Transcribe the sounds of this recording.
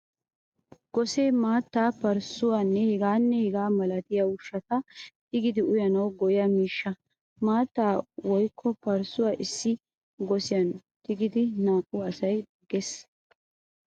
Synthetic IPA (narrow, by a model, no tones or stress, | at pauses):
ɡ̥ɔseːmaːt̪ːaːpɐɾsʊwaːnːɛhɪɡaːnːɛhɪɡaːmɐlɐt̪ɪjɐʊʃːɐt̪ɐt̪ɪɡɪd̪ɪʊjɐnɐwɡɔjɐmiːʃːɐ | maːt̪ːaːwɔjkʰːɔpɐɾsʊwaːʔɪsːɪ | ɡɔsɪjɐnt̪ɪɡɪd̪ɪnaːkʼːʊɐsɐj | ɡɛs